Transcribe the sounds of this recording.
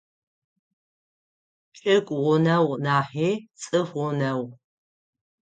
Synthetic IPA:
t͡ʃʼɪkʷʼʁʷʊnɐwnaːħiːt͡sʼɨfʁʊnɐw

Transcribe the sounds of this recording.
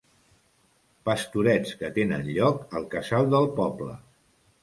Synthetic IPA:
pəst̪uɾɛt͡skət̪enə̰nʎɔkəlˠkəzalˠd̪əlˠpɔblə̰

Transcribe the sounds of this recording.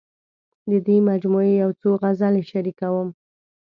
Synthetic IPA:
d̪əd̪wimad͡ʒmuejawt͡soɣazaleʃaɾikawəm

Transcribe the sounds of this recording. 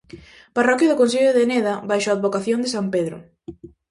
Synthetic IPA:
parɔkjoðʊkõns̬iʎoðeneðɐbajʃoaðβokaθjond̪ɪsampeðɾʊ̰

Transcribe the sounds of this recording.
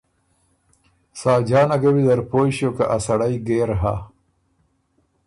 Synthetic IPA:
saːd͡ʑaːnɐɡɐwid̪ɐɾpoːɕjoːka̰ʔasɐɽajɡeːɾɦa̰

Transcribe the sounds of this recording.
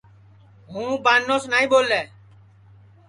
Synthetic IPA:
ɦũːbanːosnaːĩbolɛː

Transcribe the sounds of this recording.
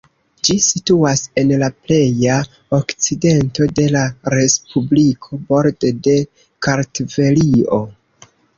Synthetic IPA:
d͡ʒisituase̞nlaple̞ja | okt͡side̞nto̞de̞laɾe̞spublikʰo̞bo̞ɾdde̞ | kaɾtve̞lio̞

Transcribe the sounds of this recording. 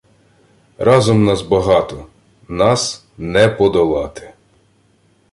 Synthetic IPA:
rɑzɔmnɑzbɐɦɑt̪ɔ | nɑs | nɛpɔd̪ɔlˠɑt̪ɪ̥

